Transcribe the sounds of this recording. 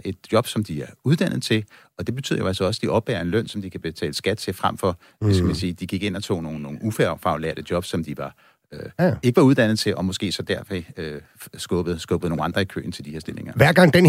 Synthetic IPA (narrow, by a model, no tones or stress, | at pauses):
e̝d̥̚jɒ̽b̥sɒ̽md̥iæɐuð̞ˠd̥ænð̩ˠt͡sʰe̝l | ɒ̽d̥e̝b̥e̝t͡sʰy̰ð̰ˠɐjo̝ælsɒɒ̽səd̥iʔɒ̽b̥ɛːɐe̝nlœn̰sɒ̽md̥ikʰæb̥e̝t͡sʰɛ̰ːləsɡ̥æd̥̚t͡sʰe̝fʁam̰fɒ̽ | eskəmænsiːd̥iɡ̥iɡ̥e̝n̰ɒt͡sʰo̝̰ːno̝ːno̝ːufæfɑ̈ʊlḛɐd̥əd̥jɒ̽b̥sɒ̽md̥iʋɑ̈ | e̝ɡ̥əʋɑ̈uð̞ˠd̥æn̰ð̞̩ˠt͡sʰe̝lʔɒ̽mɔ̽sɡ̥e̝̰ːsɒ̽d̥æɐfeø | sɡ̥ɔb̥ð̩ˠsɡ̥ɔ̽ːb̥ð̩ˠno̝ːŋnɑ̈nd̥ʁɐikʰø̰ːn̩t͡sʰe̝ld̥ihe̝ɐsd̥e̝le̝ŋɐʋæɐ̰ɡ̥ɑ̈ŋ̰d̥en